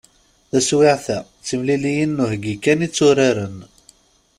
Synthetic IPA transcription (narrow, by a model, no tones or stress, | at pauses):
θæswiʕθæ | t͡sːəmlilijənːuɦɡikːænit͡sːʊɾaɾən